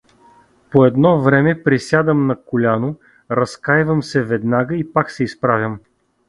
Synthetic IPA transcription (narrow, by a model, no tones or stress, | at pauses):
poɛd̪nɔvɾɛmɛpɾisʲjad̪əmnɐkʊlʲanʊ | ɾɐskajvəmsɛvɛd̪naɡəipaksɛispɾavʲjəm